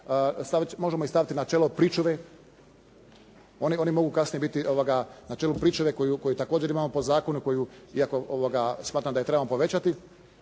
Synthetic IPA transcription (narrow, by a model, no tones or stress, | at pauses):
st̪aʋmo̞ʒemoist̪aʋit̪inat͡ʃelopɾit͡ʃoʋe | o̞nio̞nimo̞ɡukasnijebit̪iʔoʋoɡanat͡ʃelupɾiːt͡ʃoʋeko̞juko̞jut̪akoːd͡ʑeɾimaːmo̞pozaːkonuko̞juiako̞ʔoʋoɡasmaːt̪ɾamd̪ae̞t̪ɾe̞bamopo̞ʋe̞t͡ɕat̪i